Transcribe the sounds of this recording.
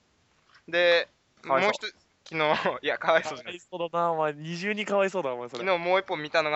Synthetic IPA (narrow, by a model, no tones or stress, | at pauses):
d̪e̞ | moːçi̥t̪o | kʲinoːiakaβaisoːaisoːd̪anamaɲ̟iʑɨːɲ̟ĩkaβaisoːd̪amosoɾeinoːmoːipːomʲit̪anoɡa